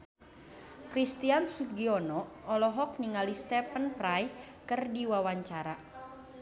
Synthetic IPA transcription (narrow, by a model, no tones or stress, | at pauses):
kɾist̪iansuɡiɔnɔɔlɔɦɔk̚niŋalist̪ɛpənpɾajkɨrdiwawaɲt͡ʃaɾa